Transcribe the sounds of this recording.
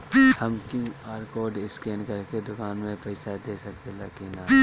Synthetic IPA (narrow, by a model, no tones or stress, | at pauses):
hɐmkjũaːɾkoːɖɪskeːnkɐɾked̪ʊkaːnmẽpɛɪsad̪eːsɐk̚t̪elaːkinaː